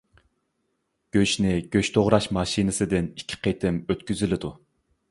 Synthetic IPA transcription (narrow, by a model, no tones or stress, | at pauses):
ɡ̥ʲøʃnɪɡ̥ʲøʃt̪ʰoʁɾɑʃmɑʃinɨsɨd̪ɪnikʲʰːi̥qʰet̪ʰɪmøt̪kʲyzylɪd̪u